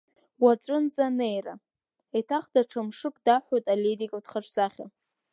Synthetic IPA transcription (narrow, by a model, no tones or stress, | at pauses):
wat͡sʷʼɨnzane̞jra̰ | etʰaχdaʈ͡ʂʰamʂɨkʼdaħʷᶣojtʼaleɾikʼadχaʈ͡ʂʰʼzaχʲa̰